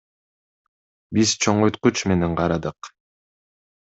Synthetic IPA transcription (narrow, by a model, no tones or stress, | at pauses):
biz̥t͡ʃʰoɴojt̪̚qut͡ʃmeneŋqʰɑɾɑd̪ɯq